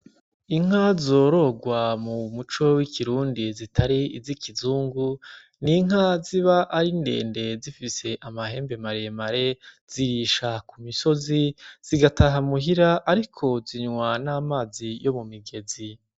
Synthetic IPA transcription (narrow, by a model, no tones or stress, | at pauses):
iŋ̥hazo̞ɾo̞ɡwamumut͡ʃo̞wikʰiɾuːndizitʰaɾiizikizuːŋɡu | niŋ̥ɦaziβaʔaɾinde̞̰ːnde̞zifise̞ʔamaɦe̞ːmbe̞maɾe̞maɾe̞z̥iɾiʃakumiso̞ziz̥iɡataɦamuɦiɾaʔːɾikʰo̞ziɲŋwanaːmaːzijo̞mumiɡe̞zi